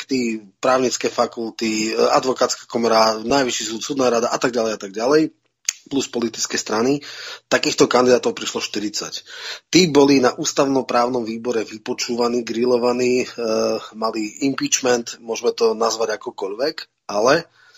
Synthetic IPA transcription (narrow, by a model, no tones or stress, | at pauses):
kt̪ipɾaːʊɲit͡skɛːfakulˠt̪ia̰d̪ʋɔkaːt̪t͡skḁkɔmɔɾanajʋiʃis̬uːt̪suːd̪naːɾad̪aʔat̪aɡ̚ɟalɛjat̪aɡ̚ɟalɛj | pluspɔlit̪i̥t͡skɛst̪ɾanit̪akiːxt̪ɔkand̪id̪aːt̪ɔʊpɾiʃlɔʃt̪iɾit͡sa̰ct̪iːbɔlinaʔuːst̪aʊnɔpɾaːʊnɔmʋiːbɔɾɛʋipɔt͡ʃuːʋaniːɡɾilɔʋaniː | maliimpiːt͡ʃmɛnt̪mʊɔʒmɛt̪ɔnazʋaɟakɔkɔʎʋɛk | alɛ